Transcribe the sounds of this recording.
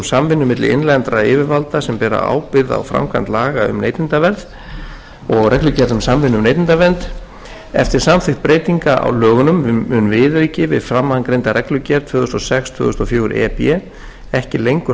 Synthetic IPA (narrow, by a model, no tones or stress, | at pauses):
msamvɪnːʏmːɪt̪lɪ̰ɪ̰nlɛnt̪ɾaɪːvɪɾvalt̪asɛmpɛːɾa̰a̰ːwpɪɾða̰wfɾa̰mkʰvant̪laːɣaʏ̰mnḛjt̪ɪnt̪avɛɾð | ɔɣrɛklʏcɛɾðʏmsamvɪnːʏmnejt̪ɪnt̪avɛnt̪ | ɛft̪ɪɾ̥samfɪxt̪̚pɾeːjt̪iŋkaʔa̰wlœːɣʏnʏmʏnvɪðɾiːcɪvɪ̰ðfɾamːaŋkɾejnt̪aɾɛklʏcɛɾt̪ʰvʏːɣʏst̪ɔsɛkst̪ʰvʏ̰ːɣʏst̪ɔfjoːwɾɛ̰pɛ | ɛhcɪlejŋkʏ